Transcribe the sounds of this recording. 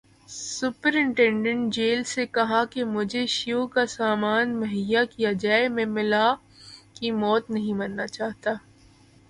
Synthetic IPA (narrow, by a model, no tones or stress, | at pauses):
sʊpəɾɪ̃ɳʈɛ̃ɳɖə̃ɳʈ̚d͡ʒeːlsekɐɦakemʊd͡ʒʱeʃiokasaːmaːnmɐɦijakijad͡ʒaːemẽmɪla | kimɔːt̪nɐɦĩmɐnːat͡ʃaːɦt̪aː